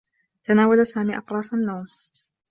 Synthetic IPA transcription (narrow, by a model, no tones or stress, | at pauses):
t̪anaːwalasaːmiːʔɑqɾˤɑːsanːawm